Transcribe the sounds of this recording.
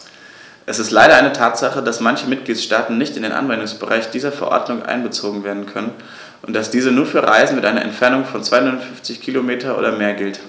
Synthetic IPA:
ʔɛsɪstlaɪɾɐʔaɪnətʰaːtz̥aχədasmançəmɪt̚ɡ̥liːtʃtaːtn̩nɪçtɪndeːnʔa̰nvɛndʊŋsb̥əʁa̰ɪçd̥iːzɐfɛɐʔɔ̰ɐdnʊŋʔa̰ɪnbət͡soːɡŋ̩veːɐdn̩kʰœnən | ʔʊnt̚d̥asd̥iːzənuːɐfyːɐʁa̰ɪzn̩mɪtʔa̰ɪnɐ̰ʔɛ̰ntfɛɐnʊŋfɔnt͡sv̥aɪhʊnʊnfʏnft͡sɪçkʰiːlomeːtʰɐʔo̰ːdɐmeːɐɡɪlt

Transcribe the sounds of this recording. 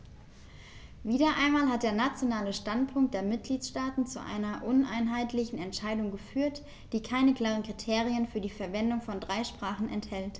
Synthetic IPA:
viːdɐʔaɪnmaːlhat̚d̥eːɐnat͡sjonaːləʃtantpʰʊŋktd̥eːɐmɪt̚ɡ̥liːtʃtaːtn̩t͡sṵʔa̰ɪnɐʔʊnʔa̰ɪnɦaɪtlɪçn̩ɛntʃaɪdʊŋɡəfyːɐt | d̥iːkʰaɪnəkl̥aːʁənkʁ̥itʰeːʁiənfyːɐdiːfɛɐvɛndʊŋfɔndʁaɪʃpʁ̥aːχn̩ɛnthɛlt

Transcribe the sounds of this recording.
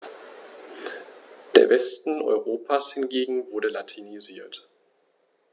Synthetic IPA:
d̥ḛːɐvɛstn̩ʔɔ̰ʏʁ̞oːpʰaːshɪnɡeːɡŋ̩vʊɐdəlatʰiniziːɐt

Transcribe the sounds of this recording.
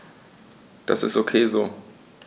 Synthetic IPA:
d̥a̰sɪ̰stokʰeːzoː

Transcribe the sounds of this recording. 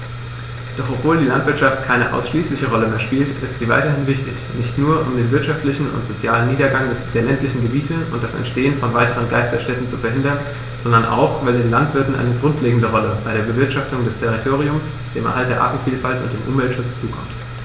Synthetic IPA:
d̥ɔχɔpv̥oːldiːlantv̥ɪɐtʃaftkʰaɪnəʔa̰ʊsʃliːslɪçəʁɔləmeːɐʃpiːltɪstz̥iːva̰ɪtɐhɪnvɪçtɪ̰çnɪçtnuːɐʔʊ̰mdeːnvɪɐtʃaftlɪçn̩ʊ̰ntz̥ot͡sjaːlənːiːdɐɡaŋd̥eːɐlɛntlɪçn̩ɡəbiːtʰəʊ̰ntd̥asɛ̰ntʃteːənfɔnvaɪtəʁ̞ənɡa̰ɪstɐʃtɛtn̩t͡sufɛɐhɦɪndɐn | z̥ɔndɐnʔa̰ʊχvaɪldeːnlantv̥ɪɐtn̩ʔa̰ɪnəɡʁʊntʰleːɡŋ̩dəʁɔləb̥aɪɾeːɐbəvɪɐtʃaftʊŋdɛstʰɛʁitʰoːʁiʊms | d̥eːmʔɛ̰ɐɦaltdeɐʔa̰ːtn̩fiːlfaltʊntd̥eːmʔʊmvɛltʃʊt͡st͡suːkʰɔ̰mt

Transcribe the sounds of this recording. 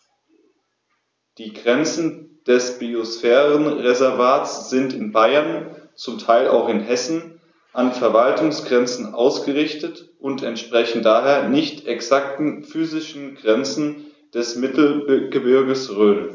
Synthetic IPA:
d̥iːɡʁɛnt͡sn̩d̥ɛsb̥iosfɛːʁənʁezɛɐvaːtsz̥ɪntɪnbaɪɐnt͡sʊmtʰaɪla̰ʊxɪnɦɛsn̩ | ʔanfɛɐvaltʊŋsɡ̥ʁɛnt͡sn̩ʔa̰ʊsɡ̥əʁɪçtətʔʊntʰɛntʃpʁ̥ɛçn̩daːɦeːɐnɪçtʰʔɛksak̚tn̩fyːzɪʃn̩ɡʁɛnt͡sn̩ | d̥ɛsmɪtl̩ɡ̥əbɪɐɡəsʁøːl

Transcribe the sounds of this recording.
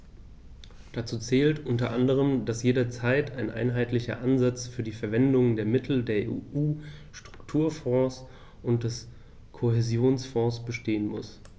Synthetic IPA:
d̥at͡suːt͡sɛːltʔʊntɐʔandəʁ̞əmd̥asjeːɾɐt͡saɪtʰaɪnʔa̰ɪnɦaɪtlɪçɐ̰ʔanzat͡sfyːɐdiːfɛɐvɛndʊŋəndeːɐmɪtʰl̩deːɐʔḛʔuːʃtʁ̥ʊktʰuːɐfɔ̃ːs | ʔʊnt̚d̥ɛs | kʰoɦezjoːnsfɔ̃ːsb̥əʃteːənmʊs

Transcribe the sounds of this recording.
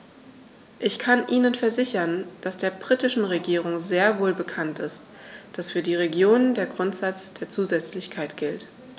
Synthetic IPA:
ʔɪçkʰanʔiːnənfɛɐzɪçɐnd̥asd̥eːɐbʁitɪʃn̩ʁeɡiːʁ̞ʊŋzeːɐvoːlbəkʰantɪst | d̥asfyːɐdiːʁ̞eɡjoːnəndeːɐɡʁʊntz̥at͡sd̥eːɐt͡suːzɛt͡slɪçkʰaɪtɡ̥ɪlt

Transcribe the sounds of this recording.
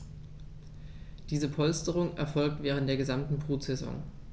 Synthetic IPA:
d̥iːzəpʰɔlstəʁ̞ʊŋʔɛ̰ɐfɔlk̚tv̥ɛːʁntd̥eːɐɡəzamtn̩bʁ̥uːtz̥ɛzɔ̰ŋ

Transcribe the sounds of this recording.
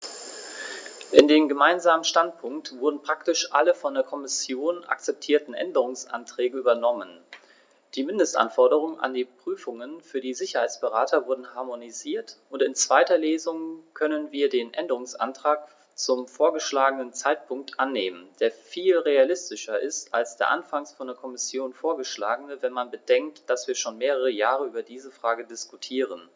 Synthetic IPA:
ʔɪndeːmɡəmaɪnzaːmənʃtantpʰʊŋk̚tv̥ʊɐdn̩pʁ̥aktɪʃʔaləfɔndeːɐkʰɔmɪsjoːna̰k̚t͡sɛp̚tʰiːɐtn̩ʔɛ̰ndəʁ̞ʊŋsʔa̰ntʁ̥ɛːɡəyːbɐnɔmən | d̥iːmɪndəstʔa̰nfɔɐdəʁ̞ʊŋʔa̰ndiːpʁ̥yːfʊŋənfyːɐdiːzɪçɐhaɪt͡sb̥əʁaːtʰɐvʊɐdn̩haɐmoniziːɐtʔʊntɪnt͡sv̥aɪtɐleːzʊŋkʰœnənviːɐdeːnʔɛndəʁʊŋsʔa̰ntʁ̥aːk | t͡sʊmfoːɐɡəʃlaːɡənənt͡saɪt̚pʰʊŋk̚tʔanːeːmənd̥eːɐfiːlʁealɪstɪʃɐʔɪstalsd̥eːɐʔa̰nfaŋsfɔndeːɐkʰɔmɪsjoːnfoːɐɡəʃlaːɡənəvɛnmanbəd̥ɛŋk̚td̥asv̥iːɐʃoːnmeːʁ̞əʁ̞əjaːʁəʔyːbɐdiːzəfʁ̥aːɡədɪskutʰiːʁ̞ən

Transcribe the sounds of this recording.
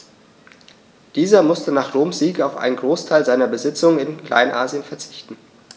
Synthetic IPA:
d̥iːzɐmʊstənaːχʁoːmz̥iːkaʊfʔa̰ɪnənɡʁoːstʰaɪlzaɪnɐbəzɪt͡sʊŋənɪnkl̥ʔa̰ɪnʔaːziənfɛɐt͡sɪ̥çtn̩

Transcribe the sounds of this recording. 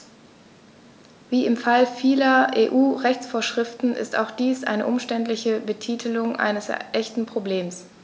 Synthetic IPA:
viːɪmfalfiːlɐʔeːʔuːʁɛçt͡sfoːɐʃʁ̥ɪftn̩ʔɪ̰sta̰ʊxd̥iːsʔa̰ɪnəʔʊmʃtɛntlɪçəbətʰiːtʰəlʊŋʔa̰ɪnəsʔɛçtn̩pʁ̥obleːms

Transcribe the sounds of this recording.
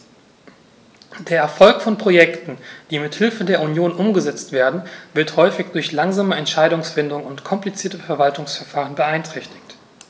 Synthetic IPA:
d̥eːɐɛɐfɔlkfɔnpʁ̥ojɛktn̩d̥iːmɪthɪlfədeːɐunjoːnʔʊmɡəzɛt͡stv̥eːɐdn̩vɪɐthɔʏfɪçd̥ʊɐçlaŋzaːməɛntʃaɪdʊŋsfɪndʊŋʊntkʰɔmplit͡siːɐtəfɛɐvaltʊŋsfɛɐfaːʁ̞ənbəaɪntʁ̥ɛçtɪ̥çt

